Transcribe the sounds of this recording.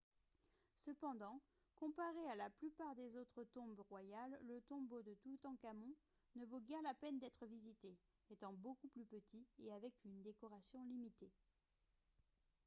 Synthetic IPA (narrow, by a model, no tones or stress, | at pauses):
səpɑ̃d̪ɑ̃ | kɔ̃paʁealaplypaʁd̪ezot̪χət̪ɔ̃bʁwajalːət̪ɔ̃bod̪ət̪ut̪ɑ̃kamɔ̃ | nəvoɡʲɛʁlapɛnd̪ɛt̪χəvizit̪e | ɛt̪ɑ̃bokuplypət̪ʰieavɛkynd̪ekɔʁasjɔ̃limit̪e